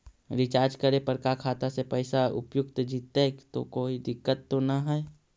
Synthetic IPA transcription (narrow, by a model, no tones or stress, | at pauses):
ɾɪt͡ʃaːɾd͡ʒkəɾepəɾkakʰaːt̪asepɛɪsaʊ̰pjʊkt̪d͡ʒiːt̪et̪o̰koːid̪ɪkːət̪ːonaɦɛɛ